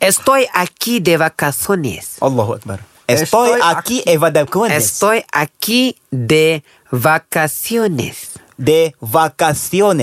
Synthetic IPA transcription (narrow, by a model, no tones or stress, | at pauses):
est̪ojakid̪evakasonḛsɐlːahakɾ | est̪ojakievad̪ekonest̪ojaki | d̪e | vakasionḛs | d̪evakasione